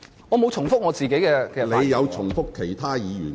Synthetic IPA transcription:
ŋŋɔː˨˧mo˨˧wt͡sʰʊ˨˩ŋfʊ˥k̚ŋɔː˨˧t͡siː˨ke˨˥jkɛː˧kɛː˧˨le˨˧jjɐ˨˧wt͡sʰʊ˨˩ŋfʊ˥kʰːe˨˩jt̪ʰaː˥jiː˨˧jy̰ː˨˩n

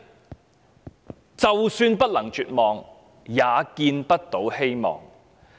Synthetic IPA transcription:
t͡sɐ˨wsyː˧npɐ˥t̚lɐ˨˩ŋt͡ʃyː˨t̚mɔː˨ŋ | jaː˨˧kiː˧npɐ˥t̚t̪o˨˥whe˥jmɔ̰ː˨˩ŋ

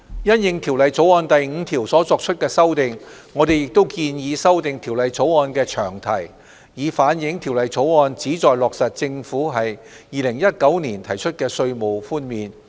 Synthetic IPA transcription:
jɐ˥njɪ˧ŋt̪ʰiː˨˩wlɐ˨jt͡so˨˥wɔː˧nt̪ɐ˨jŋ̩˨˧t̪ʰiː˨˩wsɔː˨˥t͡sɔː˧k̚t͡ʃʰɵ˥t̚kɛː˧sɐ˥wt̪ɪ˨ŋː | ŋɔː˨˧t̪e˨jɪ˨k̚t̪o˥wkiː˧njiː˨˧sɐ˥wt̪ɪ˨ŋt̪ʰi˨˩wlɐ˨jt͡so˨˥wɔː˧nkɛː˧t͡ʃʰœː˨˩ŋt̪ʰɐ˨˩j | jiː˨˧faː˨˥njɪ˨˥ŋt̪ʰi˨˩wlɐ˨jt͡sʰo˨˥wɔː˧nt͡siː˨˥t͡sɔː˨jlɔː˨k̚sɐ˨t̚t͡sɪ˧ŋfuː˨˥ɦɐ˨jː | iː˨˧lɪ˨˩ŋjɐ˥t̚kɐ˨˥wniː˨˩nt̪ʰɐ˨˩jt͡ʃʰɵ˥t̚kɛː˧sɵ˧ɥmo˨wfuː˥nmiː˨n

